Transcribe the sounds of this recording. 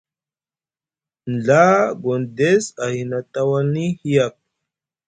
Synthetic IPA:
nɮa˦ɡo˨nde˦sa˨hi˨na˨ta˦wa˦lni˦hi˦ja˦˨k̚

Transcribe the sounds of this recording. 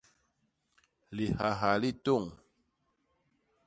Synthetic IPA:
li˨ha˨ɦa˨li˦to˦˨ŋ

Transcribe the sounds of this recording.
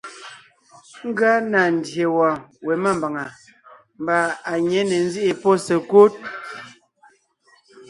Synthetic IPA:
ŋ̩˦ɡɰa˦na˨n̩˨dje˨wa˨wɛ˨ma˦mba˨ŋa˨ | m˦ba˦a˨ɲɛ˨˦nɛ˨n̩˦zi˦ʔe˨pɔ˦sɛ˨ko˦t̚

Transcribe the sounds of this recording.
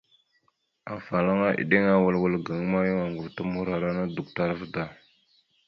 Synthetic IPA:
a˨fa˨la˦ŋa˦ʔḭ˨ɗe˦ŋa˦wə˨lwə˦lɡa˨ŋ˦ma˦ju˦ŋa˨ŋɡu˨vta˦mu˦ɾa˨ɾa˦na˦du˨kta˨ɾa˦fda˨

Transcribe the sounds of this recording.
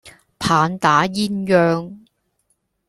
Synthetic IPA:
pʰaː˨˧nt̪aː˨˥jiː˥njœː˧ŋ

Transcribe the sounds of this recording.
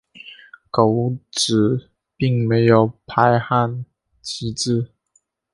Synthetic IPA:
ko˧˥ʊt͡sɹ̩˨˩˦ | pi˥˩ŋme˧˥ɪjo˨˩ʊpʰa˥ɪxa˥˨n | t͡ɕʰi˧˥t͡sɹ̩˥˩

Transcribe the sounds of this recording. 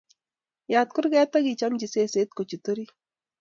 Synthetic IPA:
jaː˨t̪̚kʊ˦ɾkɛː˦t̪a˦ki˨t͡ʃamd͡ʒi˨seː˦seː˦t̪̚ko˨t͡ʃi˨t̪o˦ɾi˦

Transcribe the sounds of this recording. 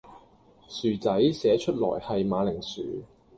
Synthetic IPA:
syː˨t͡sɐ˨˥jsɛː˨˥t͡ʃʰɵ˥t̚lɔ̰ː˨˩jhɐ˨jmaː˨˧lɪ˨˩ŋsyː˨˥

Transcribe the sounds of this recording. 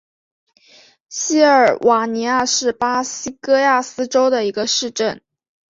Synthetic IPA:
ɕi˥ə˞˨˩wʔa˧˩ni˧˥a˥˧ʂɻ̩˥˩pa˥ɕi˥kɤ˥ja˥˩sɹ̩˥ʈ͡ʂo˥ʊd̪ə˨i˧˥ɡə˧ʂɻ̩˥˧ʈ͡ʂə˥˩n

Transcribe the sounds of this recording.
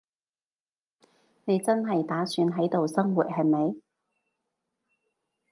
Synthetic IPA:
ne˨˧jt͡sɐ˥nɦɐ˨jt̪aː˨˥syː˨˧nɦɐ˨˥jt̪o˨wsɐ˥ŋwuː˨t̚ɦɐ˨jmɐ˨˧j

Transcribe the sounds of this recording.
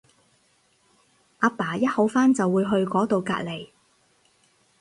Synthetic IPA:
ʔaː˨˧pːaː˨˩jɐ˥t̚ho˨˥wfaː˥nt͡sɐ˨wːuː˨˧jɦɵ˧ɥkɔː˨˥t̪o˨˧wka̰ː˧t̚le˨˩j

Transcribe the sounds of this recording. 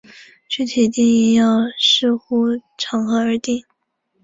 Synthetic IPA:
t͡ɕʰy˥˩t̪ʰi˨˩t̪̬i˥˩ŋɛ˨˧˩jɑ˥˩ʊʂɻ̩˥˧xu˥ʈ͡ʂʰɑ˧˥ŋxɤ˧˥ə˞˧˥t̪i˥˩ŋ

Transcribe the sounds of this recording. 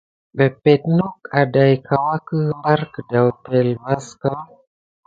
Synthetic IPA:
be˨pe˨t̪̚nu˦k̚a˨da˨jkʰa˨wa˦kɨ˦mba˦ɾkə˨da˨wt̪e˨lma˦ska˦w

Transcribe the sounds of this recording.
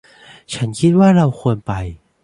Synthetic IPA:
t͡ɕʰa˦˥nkʰi˦˥t̪̚waː˥˩ɾa˧wkʰu˧ənpa˧j

